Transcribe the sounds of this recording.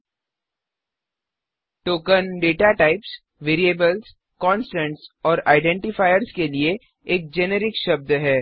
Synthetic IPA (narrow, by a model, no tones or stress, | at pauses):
ʈoːkənɖeːʈaʈaɪps | ʋeːɾieːbəlz | kɔ̃ːnsʈɛ̃ɳʈsɔːɾaːɪɖɛ̃ːɳʈɪfaːɪjəɾskelie | eːk̚d͡ʒeneɾɪkʃɐb̚d̪ɦɛː